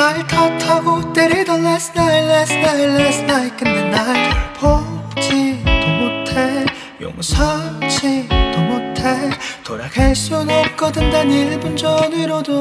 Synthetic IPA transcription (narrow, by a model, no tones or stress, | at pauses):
aitʰatʰaɡoteɾidʌlːasɯnailːasnailːesnajk͈ɯndenːatpʰokt͡ɕʰitomotʰe | jo̰ŋsʰʌŋt͡ɕʰitomotʰetoɾakʰaɭs͈unop̚k͈ʌdɯndaniɭbund͡ʑʌniɾodo